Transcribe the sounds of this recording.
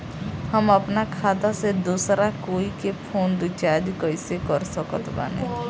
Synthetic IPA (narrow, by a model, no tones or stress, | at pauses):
həməpnakʰaːd̪ased̪uːsɾakoːikepʰoːnd̪ʊt͡ʃaːd͡ʒkɔisekɔɾsəkət̪ba̰ːnḛ̃